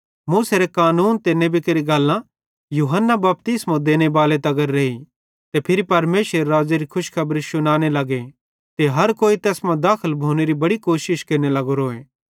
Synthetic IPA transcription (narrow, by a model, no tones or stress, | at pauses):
muːseɾekaːnuːnt̪enːẽbɪkeɾiɡɐlːã | juɦənːabɐp̚t̪ɪsmõd̪eːñebaːlet̪ɐɡəɾːeːi | t̪epʰɪɾipɐɾmeːʃəɾːaːd͡ʒeɾikʰʊʃkʰɐbɾisʊñaːñelɐɡe | t̪eɦɐɾkoːit̪ɛːsmãd̪aːkʰəlbʱoːneɾibɐɽikoːʃɪʃkeːnelɐɡoɾoːeː